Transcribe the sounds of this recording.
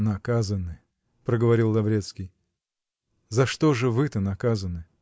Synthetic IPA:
nɐkazənɨ | pɾəɡəvɐɾʲilˠːɐvɾʲet̪skʲij | zɐʂt̪oʐɨvɨt̪ənɐkazənɨ

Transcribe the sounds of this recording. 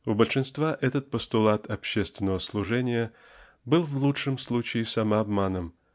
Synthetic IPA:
ʊbəlʲʂɨnst̪vaʔɛt̪ət̪̚pəst̪ʊlˠat̪ʰɐpɕːest̪vʲɪnːəvəslˠʊʐɛnʲɪjə | bɨlˠvlˠutʂɨmslˠut͡ɕɪɪsɐmaɐbmanɨm

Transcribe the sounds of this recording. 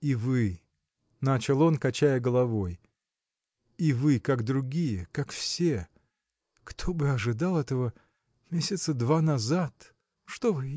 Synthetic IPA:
ivɨ | nat͡ɕɪlˠo̞nkɐt͡ɕæjəɡəlˠɐvo̞j | ivɨkaɡd̪ɾʊɡʲijəkakfsʲe | kt̪ʰo̞bɨɐʐɨd̪alˠɛt̪əvə | mʲesʲɪt̪səd̪vanɐzat̪ | ʂt̪ovɨ

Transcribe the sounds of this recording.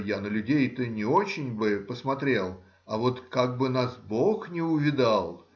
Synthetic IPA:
janəlʲʉdʲejt̪ɨnʲɪo̞t͡ɕɪnʲbɨpəsmɐt̪ɾʲe̞lˠ | ɐvo̞t̪kaɡ̚bɨnasboxnʲɪʊvʲɪd̪alˠ

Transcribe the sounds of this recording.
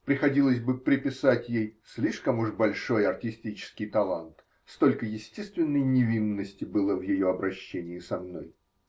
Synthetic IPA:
pɾʲɪxɐdʲilˠəsʲbɨpɾʲɪpʲɪsatʲjejsʲlʲiʂkəmuʂbɐlʲʂo̞jɐrtʲɪsʲtʲit͡ɕɪ̥skʲɪjt̪ɐlˠa̰nt̪ | st̪o̞lʲkəjɪsʲtʲest̪vʲɪnːəjnʲɪvʲinːəsʲtʲɪbɨlˠəvjɪjo̞ɐbɾɐɕːenʲɪɪsɐmno̞̰j

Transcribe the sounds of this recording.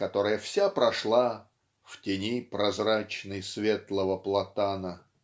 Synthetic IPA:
kɐt̪o̞ɾɨjəfsʲapɾɐʂlˠa | ftʲɪnʲipɾɐzrat͡ɕnɨjsvʲet̪lˠəvəplˠɐt̪anə

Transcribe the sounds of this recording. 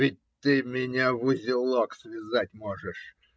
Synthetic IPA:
ɪtʲt̪ɨmʲɪnʲavʊzʲɪlˠoksvʲɪzatʲmoʐəʂ

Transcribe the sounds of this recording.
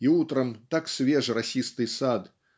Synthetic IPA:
iut̪ɾɐmt̪aksʲvʲɛʐɨrasʲist̪ɨjsad̪

